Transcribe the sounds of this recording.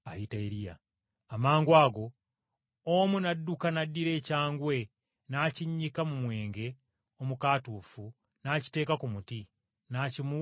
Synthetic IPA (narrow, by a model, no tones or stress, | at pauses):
ajitaeɾija̰ː | maːŋɡwaːɡo̞ | omunadːukanadːiɾe̞ːcaːŋɡwe̞ | naːciɲːikamumwe̞ːŋɡe̞ | o̞mukaːtuːfu | naːci̥te̞ːkakumuti | naːcimu